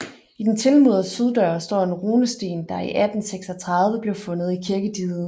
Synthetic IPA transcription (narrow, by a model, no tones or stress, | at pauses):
id̥ent͡sʰe̝lmuð̰ˠð̩ˠsyð̞ˠd̥œːɐsd̥ɒ̰ːe̝nʁoːnəsd̥e̝̰ːnd̥ɑ̈iʔæd̥n̩seɡ̥sɒ̽t͡sʰʁɑ̈ðˠʋəb̥liɐfɔ̽nð̩ˠikʰiɐɡ̥əd̥iːð̩ˠ